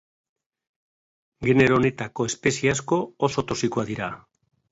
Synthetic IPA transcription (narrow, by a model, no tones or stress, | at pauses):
ɡe̞ne̞ɾone̞t̪ako̞e̞spe̞siasko̞oso̞t̪o̞siko̞aðiɾa